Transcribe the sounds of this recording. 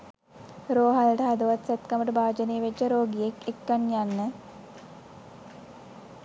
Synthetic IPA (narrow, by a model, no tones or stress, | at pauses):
ɾoːɦalʈəɦad̪əʋat̪sɛt̪kaməʈəbaːd͡ʒəneːʋed͡ʒəɾoːɡijekekːanjanːə